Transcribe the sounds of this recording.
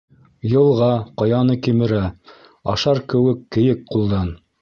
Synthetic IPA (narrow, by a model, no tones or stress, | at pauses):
jɤ̆lˠʁɑqojɑnɤkimɘ̆ɾæ | ɑʃɑɾkɘ̆wɘkːɘ̆jɘk̚qulˠd̪ɑn